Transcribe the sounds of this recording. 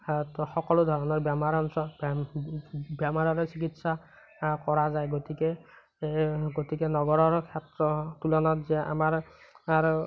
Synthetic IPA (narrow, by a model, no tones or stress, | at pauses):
tɔxɔkɔlodʱɔɹɔnɔɹbamaɹɔ | bjamaɹɔɹɔsikitsa | kɔɹazajɡotikɛ | ɡotikɛnɔɡɔɹɔɹkʰɛtɹɔtulɔnɔtzɛʔa̰maɹ